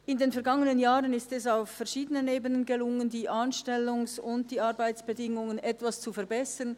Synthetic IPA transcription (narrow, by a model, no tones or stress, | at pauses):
ɪndeːnfɛɐɡaŋənənjaːʁənɪstɛsaʊfːɛɐʃiːdənəneːbənənɡelʊŋəndiːʔanʃtɛlʊŋsʊntd̥iːaɾbaɪt͡sb̥edɪŋʊŋənɛtvast͡sufɛɐbɛsɐn